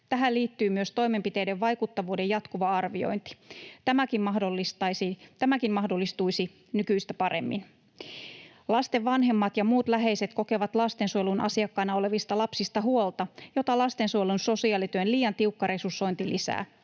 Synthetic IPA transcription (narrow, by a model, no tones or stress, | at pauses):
t̪æɦæliːt̪ːyːmyøst̪o̞jme̞mpit̪e̞jdeʋʋɑjkut̪ːɑʋuːde̞jɑt̪kuʋɑɑrʋio̰jnt̪i̥t̪æmækimmɑhdolːist̪ɑjsit̪æmækinmɑhdolːist̪uisi | nykyist̪æpɑɾʔe̞̰mːḭn | lɑst̪eʋːɑnɦe̞mːɑt̪jɑmuːt̪læɦe̞jse̞t̪ko̞ke̞ʋɑt̪lɑst̪e̞nsujelunʔɑ̰siɑkːɑinɑo̞le̞ʋist̪ɑlɑpsist̪ɑɦuolt̪ɑjo̞t̪ɑlɑst̪e̞nsuojlunso̞siɑːlit̪yønliːjɑnt̪iukːɑɾe̞susːo̞jnt̪ilʔisæ̰ː